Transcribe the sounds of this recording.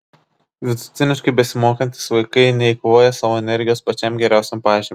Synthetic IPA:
ʋʲɪt̪ʊ̥t̪sʲɪnʲɪʃkɐɪbʲɛsʲɪmoːkɐnʲt̪ʲɪ̥sʋɐɪkɐɪnʲɛɪkoʋoːjɛsɑːʋoːɛnʲɛɾʲɡʲɪjoːspɐt͡ʃʲɛmɡʲɛɾʲæˑʊsʲɛmpɑːʒʲimʲ

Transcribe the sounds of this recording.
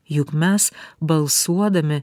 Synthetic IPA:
jʊkmʲɛsbɐlˠsuɔd̪ɐmʲɪ

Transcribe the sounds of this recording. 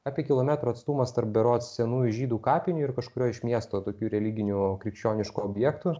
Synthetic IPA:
ɑːpʲiɛkʲɪlˠoːmʲæːt̪ɾoːɐt̪st̪uːmɐst̪ɐrp̚bʲɛɾoːt̪sʲɛnuːjuʒʲiːd̪uːkɑːpʲɪnʲuːɪɾkɐʃkʊɾʲoːɪʃmʲiɛst̪oːt̪oːkʲuːɾʲɛlʲɪɡʲɪnʲuːkɾʲɪkʃʲt͡ʃʲoːnʲɪʃkuoːbʲjɛːkt̪uː

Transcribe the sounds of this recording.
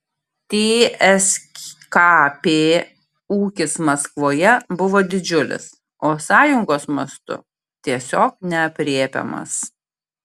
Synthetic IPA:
t̪ʲeːɛsʲkɑːpʲeː | uːkʲɪsmɐskʋoːjɛbʊʋoːd̪ʲɪd͡ʒʲʊlʲɪ̰s | oːsɑːjʊŋɡoːsmɐst̪ʊ̰ | t̪ʲiɛsʲoːk̚nʲɛɐpʲɾʲiɛpʲɛ̰mɐ̰s

